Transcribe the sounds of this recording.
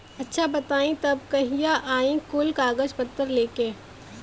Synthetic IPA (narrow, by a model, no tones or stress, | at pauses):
ɐtːʃʰabɐt̪aːĩt̪ɐbkɐɦijaʔaːĩkʊlkaːɡəd͡ʒpɐt̪ːəɾleːkẽː